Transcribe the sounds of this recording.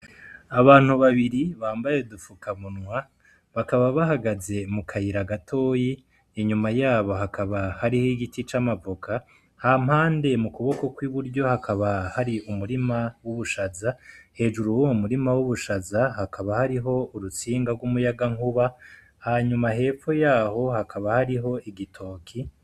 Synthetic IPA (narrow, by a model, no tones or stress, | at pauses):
aβaːn̥huβaβiɾiβaːmbaje̞dufukaβunŋwa | βakaβaβaɦaɡaze̞mukʰajiɾaɡatʰo̞ːjiː | ɲumajaːβo̞ɦakaβahaɾihiɡitit͡ʃamavukʰa | ham̥haːnde̞mukuβo̞ko̞kwiβuɾɟo̞hakʰaβahaɾiʔumuɾimawuβuʃazahe̞ːd͡ʒuɾuwoumuɾimawuβuʃazahakʰaβahaɾiɦo̞uɾut͡siːŋɡaɾɡwumujaɡaŋuβa | haɲumaɦe̞ːfo̞jaːho̞hakʰaβahaɾiɦo̞ʔiɡitʰo̞ːkʰi